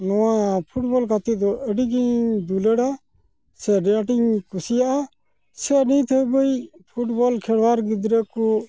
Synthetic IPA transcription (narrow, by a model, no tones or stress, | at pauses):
nɔãpʰuʈbɔlkat̪id̪ɔəɖiɡiɲd̪uləɽa | sɛɖãʈiŋkusijaʔa | sɛnĩt̪ʰəbəipʰuʈbɔlkʰɛɽwaɾɡid̪ɾəku